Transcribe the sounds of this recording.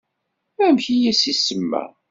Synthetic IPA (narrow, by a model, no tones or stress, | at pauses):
æmçijæsisəmːæ̰